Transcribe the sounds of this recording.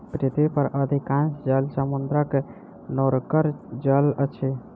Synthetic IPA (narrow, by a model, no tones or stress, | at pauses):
pɾit̪bipəɾəd̪ʱikãnsd͡ʒəlsəmund̪ɾəke | noɾkəɾd͡ʒələt͡ʃʰe